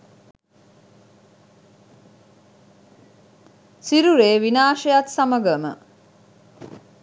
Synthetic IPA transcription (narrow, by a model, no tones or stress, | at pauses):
siɾuɾeːʋinaːʃejat̪saməɡəmə̰